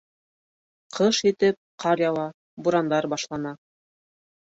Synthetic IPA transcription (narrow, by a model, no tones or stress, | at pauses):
qʰɤʃit̪ɘp̚qʰɑɾjɑwɑ | buɾɑnd̪ɑɾbɑʃlˠɑnɑ